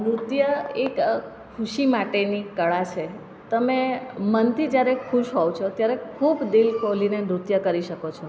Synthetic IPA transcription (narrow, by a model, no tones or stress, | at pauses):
nɾut̪jəekkʰuʃimaʈenikəɭat͡ʃʰe | t̪əmemənt̪ʰid͡ʒjaɾekʰuʃɦoʋt͡ʃʰot̪jaɾekʰubd̪ilkolinemɾut̪jəkəɾiʃəkot͡ʃʰɔ